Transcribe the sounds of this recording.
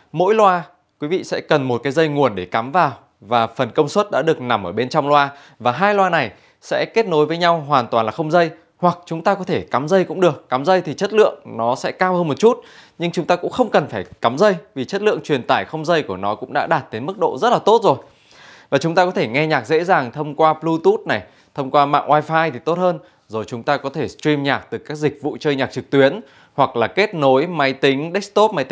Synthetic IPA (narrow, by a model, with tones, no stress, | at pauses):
mo̰˧˥jlwaː˧ | kwi˨˦vḭ˧˨sɛ̰˧˥kə˨˩nmo˨˩t̚kaː˨˦jzə˧jŋu˨˩ənɗe˧˩ka˨˦mvaː˨˩w | vaː˨˩fə˨˩nkə˧wŋ͡mswə˦˥t̚ɗa̰ː˧˥ɗɨ˨˩ək̚na˨˩mʔəː˧˩ɓe˧nt͡ɕɔ˧wŋ͡mlwaː˧ | vaː˨˩ɦaː˧jlwaː˧na˨˩j | sɛ̰˧˥ke˦˥t̚no˨˦jvəː˨˦jɲa˧wɦwaː˨˩nt̪waː˨˩nlaː˨˩xə˧wŋ͡mzə˧j | hwa˨˩k̚t͡ɕʊ˨˦ŋ͡mt̪aː˧kɔ˨˦t̪ʰe˧˩ka˨˦mzə˧jkʊ̰˧˥ŋ͡mɗɨ˨˩əkːa˨˦mzə˧jt̪ʰi˨˩t͡ɕə˦˥t̚lɨ̰˧˨əŋnɔ˨˦sɛ̰˧˥kaː˧whəː˧nmo˨˩t̚t͡ɕu˦˥t̚ɲɨ˧ŋt͡ɕʊ˨˦ŋ͡mt̪aː˧kʊ̰˧˥ŋ͡mxə˧wŋ͡mkə˨˩nfaː˧˩jka˨˦mzə˧jvi˨˩t͡ɕə˦˥t̚lɨ̰˧˨əŋt͡ɕwi˨˩ənt̪aː˧˩jxə˧wŋ͡mzə˧jku˧˩ənɔ˨˦kʊ̰˧˥ŋ͡mɗa̰ː˧˥ɗaː˨˩t̚t̪e˨˦nmɨ˦˥k̚ɗo̰˧˨zə˦˥t̚laː˨˩t̪o˦˥t̚zo˨˩j | vaː˨˩t͡ɕʊ˨˦ŋ͡mt̪aː˧kɔ˨˦t̪ʰe˧˩ŋɛ˧ɲaː˨˩k̚zḛ˧˥zaː˨˩ŋt̪ʰə˧wŋ͡mkwaː˧plu˧t̪u˦˥t̚na˨˩j | t̪ʰə˧wŋ͡mkwaː˧ma̰ː˧˨ŋʔwaː˧jfaː˧jt̪ʰi˨˩t̪o˦˥t̚həː˧n | zo˨˩jt͡ɕʊ˨˦ŋ͡mt̪aː˧kɔ˨˦t̪ʰe˧˩stɹi˧mɲaː˨˩k̚t̪ɨ˨˩kaː˦˥k̚zi˨˩k̟̚vṵ˧˨t͡ɕəː˧jɲaː˨˩k̚t͡ɕɨ˨˩k̚t̪wi˨˦ən | hwa˨˩k̚laː˨˩ke˦˥t̚no˨˦jma˨˦jt̪ï˨˦ŋ̟ɗe˦˥k̚st̪o˦˥p̚ma˨˦j̪